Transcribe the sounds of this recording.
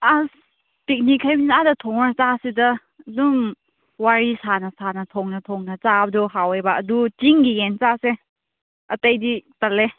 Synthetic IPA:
as | pik̚nikʰajbinadɐtʰɔŋnat͡ʃasidɐ | duŋ | waɾisanɐsanɐtʰɔŋnɐtʰɔŋnɐt͡ʃabdɔɦawejbaɐdutiŋɡijent͡ʃase | ɐtɐjditɐle

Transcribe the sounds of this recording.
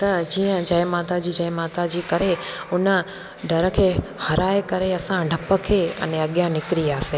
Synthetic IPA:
t̪ɐd͡ʑiːə̃d͡ʑɐɪ̃maːt̪ad͡ʑiːd͡ʑɐ̃ẽmaːt̪ad͡ʑiːkɐɾeʊnə | ɖʱɐɾə̆kʰeːhɐɾaːekɐɾeɐsãɖʱɐpəkʰeːɐ̰neɐɠjãnɪkɾiaːseː

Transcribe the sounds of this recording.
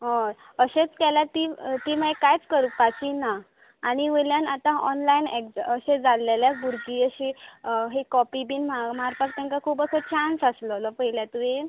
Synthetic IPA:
ɦɔ̃ | əɕet͡skɛlat̪it̪iːmajkajt͡skəɾupat͡ɕinaː | ɽ̃iʋeljanat̪ãʔɔ̰nlajinekəɕed͡zalːeljabuɾkiəɕeɦekɔpibiːnmamaɾfəʈt̪ãŋkakʰuːbəkʰət͡ɕansəslɔlɔpəɦiljat̪ue

